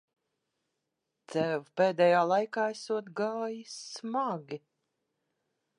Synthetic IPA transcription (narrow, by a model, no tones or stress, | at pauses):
t̪sɛvpeːd̪ɛjaːlˠajkaːɛsuɔt̪ɡaːjismaɡi